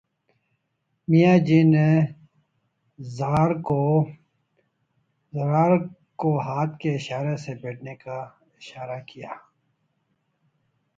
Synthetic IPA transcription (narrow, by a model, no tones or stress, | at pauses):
mijaːd͡ʒiːne | zaːɾko | zɾaːɾ | koɦaːt̪keɪʃaːɾesepeːʈneka | ɪʃaːɾakijaː